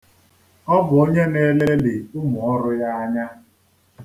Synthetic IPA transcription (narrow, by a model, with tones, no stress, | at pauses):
ɔ˦bʊ˨o˦ɲe˦ne˦le˦li˨ʊ˦mʊ˨ɔ˦ɾʊ˦ja˦a˦ɲa˦